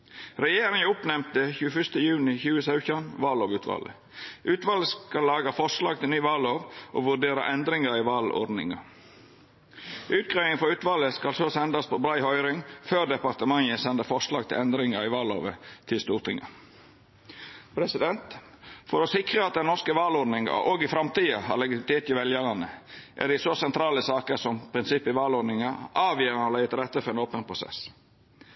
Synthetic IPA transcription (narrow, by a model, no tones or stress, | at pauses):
ɾɛjeːɾɪŋəʊpnɛmt̪əçʉːəfʏʂt̪əjʉːnɪçʉːəsɑʉçɑnʋɑːloːʋʉːt̪ʰʋɑ̰ːlʔə̰ | ʔʉːt̪ʋɑːləskɑlːɑːɡɑfɔʂlɑːɡ̚t̪ʰɪlnyːʋɑːloːʋʔoːʋʉɖeːɾɑ̰ʔɛnd̪ɾɪŋɑɾɪʋɑːlo̰dnɪ̰ŋɑ̰ | ʔʉːt̪̚ɡʁɑʏɪŋfɔʉːt̪ʋɑlːəskɑlsoːsɛnd̪ɑspʰɔblɑɪhɔʏɾɪŋføːd̪ɛpɑʁt̪əmɑŋəsɛnd̪əfɔʂlɑːɡ̚t̪ʰɪ̰lɛnd̪ɾɪŋɑɾɪʋɑːlo̰ːʋət̪ʰɪlst̪uːɾʈ̪ʰɪŋə̰ | pʰɾɛsɪd̪ɛnt̪ | fɔɾosɪkɾəɑt̪̚d̪ɛnnɔʁskəʋɑːlɔd̪nɪŋɑ̰oːɡɪfɾɑmt̪iːɑhɑ̰lɛɡɪɪɪt̪ʰeːt̪ɪʋɛljəʁɑnəʔæ̰d̪ɛɪsosɛnt̪ʰɾɑːləsɑːkəɾsɔmpʰɾɪnsɪpːɪʋɑːlɔɖ̪nɪŋɑʔɑːʋjeːɾnɑlæɪət̪ɾɛt̪ːəfɔɾɛnoːpənpʰɾʊsɛ̰s